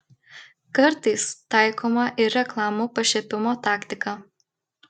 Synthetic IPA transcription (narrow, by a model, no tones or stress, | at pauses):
kɐɾt̪ɐɪst̪ɑˑɪkʰoːmɐʔɪɾʲɛklˠɑːmuːpɐʃʲɛpʲɪmoːt̪ɑːkt̪ʲɪkɑː